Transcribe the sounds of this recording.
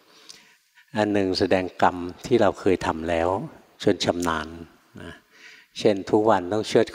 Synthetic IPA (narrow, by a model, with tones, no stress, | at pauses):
ʔa˧nːɯ˨˩ŋsa˧dɛː˧ŋka˧mt̪ʰiː˥˩ɾa˧wkʰɤː˧jt̪ʰa˧mlɛː˦˥w | t͡ɕʰo˧ənt͡ɕʰa˧mnaː˧nː | a˦˥ | t͡ɕʰe˥˩nt̪ʰu˦˥k̚wa˧nt̪ɔ˥˩ŋt͡ɕʰɯ˥˩ət̪̚kʰ